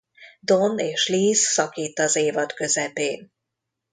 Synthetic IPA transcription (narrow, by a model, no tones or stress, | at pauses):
d̪o̞neːʃliːsːɒkiːt̪ːɒzeːvɒt̪kø̞zɛpeːn